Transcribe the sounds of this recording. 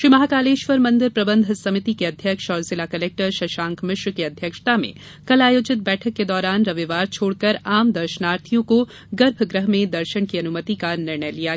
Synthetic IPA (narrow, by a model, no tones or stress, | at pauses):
ʃɾiːmɐɦaːkaːleːʃʋəɾmɐ̃nd̪ɪɾpɾɐbə̃nd̪ʱsɐmɪt̪ikeɐd̪ʱjəkʃɔːɾzɪlakɐleːk̚ʈəɾʃɐʃãːŋkʰmɪʃwkeɐd̪ʱjəkʃt̪amḛ̃ | kɐlaːjoːd͡ʒɪt̪̚bɛːʈʰəkːed̪ɔːɾaːnɾɐʋiʋaːɾt͡ʃʰoːɽkɐɾaːmd̪ɐɾʃənaːɾt̪ʰijõko | ɡɐɾbʱɡɾəɦmẽd̪ɐɾʃənkiɐnʊmət̪ikanɪɾɳəjlija